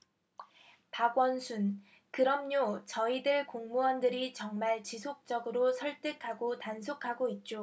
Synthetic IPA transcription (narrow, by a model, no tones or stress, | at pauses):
paɡwʌnsʰun | kɯɾʌmɲot͡ɕʌidɯɭkoŋmuʌndɯɾit͡ɕʌŋmaɭt͡ɕisʰok̚t͡ɕ͈ʌɡɯɾosʰʌɭt͈ekʰaɡotansʰokʰaɡoit̚t͡ɕ͈o